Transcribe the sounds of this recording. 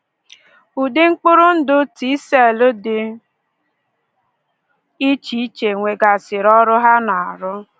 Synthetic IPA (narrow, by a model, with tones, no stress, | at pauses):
u˨dɪ˦ŋ͡m̩˦k͡pʊ˦ɾʊ˦n̩˨dʊ˦ti˦se˨lʊ˦dɪ˨ | i˦t͡ʃi˦t͡ʃe˨ŋʷe˨ɡa˨sɪ˨ɾɔ˦ɾʊ˦ɦa˦na˨a˨ɾʊ˦